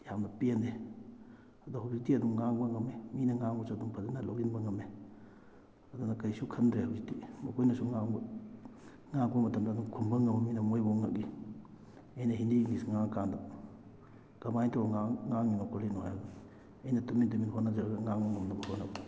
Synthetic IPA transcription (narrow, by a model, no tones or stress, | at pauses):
jamnɐpiende | ɐduɦɐwzitiɐduŋːaŋbɐŋɐmeminɐŋaŋbosuɐduŋpʰɐzenalowɡinbɐŋɐme | ɐdunɐkɐjsukʰɐndɾehɐwzitimɐkʰojnɐsuŋaŋb | ŋaŋbɐmɐtɐmdɐːduŋkʰunbɐŋɐmɐminɐmojboŋɐʔ̚ɡi | ɐjnɐɦindinisŋaŋkandɐ | ɡ̥ɐmajtʰoŋaŋŋaŋːinokʰolinoa̰jadu | ɐjnɐtumindɐminɦonɐd͡ʒaɾaɡɐŋaŋbɐŋɐmnɐbɐhonɐba